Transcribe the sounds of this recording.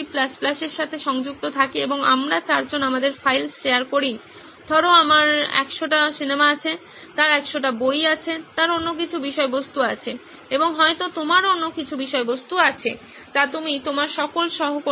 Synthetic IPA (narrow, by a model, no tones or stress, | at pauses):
iplasplaʃeɾʃat̪ʰeʃɔŋd͡ʑuk̚t̪ot̪ʰakieboŋa̰mɾat͡ɕaɾd͡ʑonamad̪eɾfajlʃeaɾkoɾin | d̪ʱɔɾoamaɾɛ̰kʃoʈasinemaat͡ɕʰe | t̪aɾɛkʃoʈabojat͡ɕʰet̪aɾonːok̬it͡ɕʰubiʃɔebost̪uat͡ɕʰe | eboŋɦɔet̪ot̪omaɾonːokit͡ɕʰubiʃɔebost̪uat͡ɕʰe | d͡ʑat̪umit̪omaɾʃɔkolʃɔɦoko